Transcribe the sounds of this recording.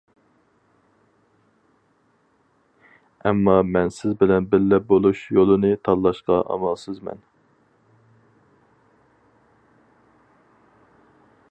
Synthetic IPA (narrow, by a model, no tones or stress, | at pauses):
ɛmːɑmɛnsɪzbɪlɛnbɪɾlɛp̚bolˠuʃjolˠɨnɨt̪ʰɑllːˠɑʃqɑʔɑ̰mɑlˠsɨzmɛ̰n